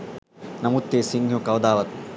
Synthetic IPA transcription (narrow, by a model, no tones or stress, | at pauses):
nɐmut̪ːesiŋʱjukɐwd̪aːʋɐt̪̚